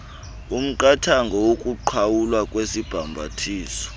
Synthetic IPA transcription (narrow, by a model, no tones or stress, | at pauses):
um̩ǃʼatʰaŋɡʱɔwokʼuǃʰawulwakʼwesib̥ʱambʱa̰tʰiːsɔ̥